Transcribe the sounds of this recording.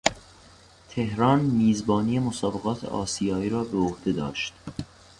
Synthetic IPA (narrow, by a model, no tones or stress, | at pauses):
t̪ʰe̞hɾɒːnmiːzbɒːnije̞mosɒːbe̞ɣɒːt̪ʰḛʔɒ̰ːsijɒːiːɾɒːbeohd̪e̞d̪ɒ̰ːʃt̪